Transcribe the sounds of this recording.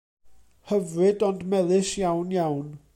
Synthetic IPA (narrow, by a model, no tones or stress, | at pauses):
həvrɨdɔndmɛðˠɨʃjawnjawn